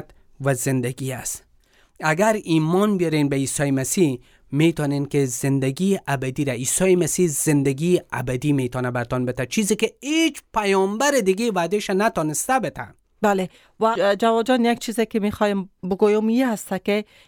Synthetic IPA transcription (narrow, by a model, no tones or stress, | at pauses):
t̪ | wazɪnd̪aɡiast̪ | aɡaɾimɔnbjɔɾenbaiːsɔjemasi | met̪ɔnenkezɪnd̪aɡiʔabad̪iɾaiːsɔjemasiz̥ɪnd̪aɡiabad̪imet̪ɔnabaɾt̪ɔnbɪt̪at͡ʃʰizekeet͡ʃpajɔmbaɾɪd̪ɪɡevad̪eʃanat̪ɔnɪst̪abɪt̪ʰa̰ | bale | wad͡ʒawɒd͡ʒɔnjak̚t͡ʃʰizekemexɔjembʊɡojomihast̪ake